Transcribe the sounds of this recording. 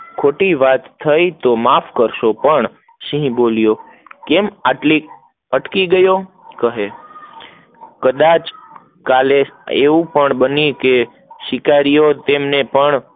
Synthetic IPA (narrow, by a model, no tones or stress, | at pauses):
kʰoʈiʋat̪ʰːəit̪omafkəɾʃopəɳ | ʃĩɦboljo | kemaʈli | əʈkiɡəjo | kəɦe | kəd̪at͡ʃ | kaleḛʋũpəɳbənike | ʃɪkaɾijot̪emnepəɳ